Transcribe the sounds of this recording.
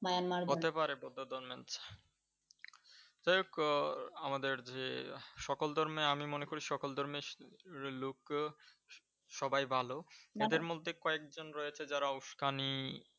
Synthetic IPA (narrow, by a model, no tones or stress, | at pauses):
majanmaɾot̪epaɾebod̪ʱːod̪ɔɾment͡ɕʰḁ | d͡ʑajok | amad̪eɾd͡ʑeʃɔkold̪ʱɔɾmeamimonekoɾiʃɔkold̪ʱɔɾme | luk | ʃɔbajbʱaloed̪eɾmod̪ʱːekɔekd͡ʑonɾɔjet͡ɕʰed͡ʑaɾauʃkʰani